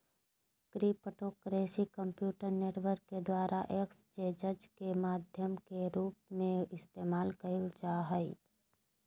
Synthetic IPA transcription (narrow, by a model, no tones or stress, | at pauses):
kɾipəʈoːkɾeːsikə̃mpjuːʈəɾneːʈwəɾkːed̪waːɾʔaʔeːkst͡ʃeːd͡ʒəd͡ʒkemaːd̪ʱjəmkeɾuːp̚mẽɪst̪eːmaːlkəɪlt͡ʃaːɦəi